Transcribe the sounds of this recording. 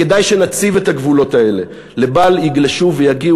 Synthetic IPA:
kedajʃe̞nat͡sivethaɡvulo̞tae̞le̞ | le̞baljiɡlaʃuve̞jaɡi

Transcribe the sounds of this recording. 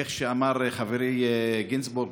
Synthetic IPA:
eχʃeamaɾχaveɾejɡinsbuɾɡ

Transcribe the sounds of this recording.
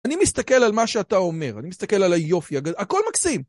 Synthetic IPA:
animist̪ake̞lalmaʃeatao̞me̞ʁanimist̪ake̞lalajo̞fiaɡaako̞lmaksim

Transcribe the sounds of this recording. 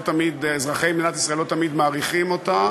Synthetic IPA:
t̪amid̪ezʁaχejmd̪inat̪isʁaelot̪amid̪maːʁiχimo̞t̪a

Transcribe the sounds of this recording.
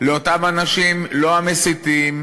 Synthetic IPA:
leo̞tamanaʃimlo̞amesit̪im

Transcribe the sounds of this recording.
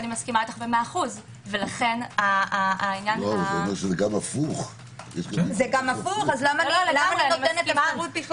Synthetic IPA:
nimaskimalet̪aχbemeaχuz | velaχe̞nainjanoamʁʃezeɡamafuχ | jeʃkazeɡamafuχazlamaallamananoimtenetamaaʁut̪̚biχ

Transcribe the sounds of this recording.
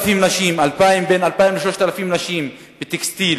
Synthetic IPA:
fimnaʃimalpaimbenalpaimleʃloʃt̪alafimnaʃim | bet̪ekst̪il

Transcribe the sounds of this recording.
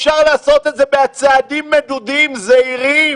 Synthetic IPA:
ʃaʁlaːso̞t̪et̪zebeat͡saːd̪imːed̪ud̪imzeiʁim

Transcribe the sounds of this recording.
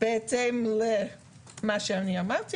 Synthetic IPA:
b̥eɛtemle | maʃeaniamaʁt̪i

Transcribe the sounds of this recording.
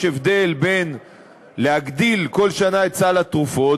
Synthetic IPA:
evd̪e̞lbe̞n | lehaɡd̪ilko̞lʃanaett͡salat̪ʁufo̞

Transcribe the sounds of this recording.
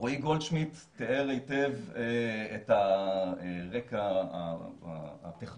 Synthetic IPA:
oiɡolʃmit̪ː | eeʁejteveet̪aeʁekaa̰ | at̪eχ

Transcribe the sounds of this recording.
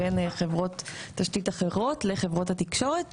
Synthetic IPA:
enχe̞vʁo̞t̪ːaʃtitaχe̞ʁo̞tle̞χe̞vʁo̞thatikʃo̞ʁet

